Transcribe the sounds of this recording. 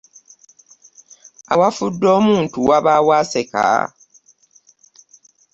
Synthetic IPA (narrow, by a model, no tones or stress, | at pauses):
awafudːoːmuːntuwaβaːwaːseka̰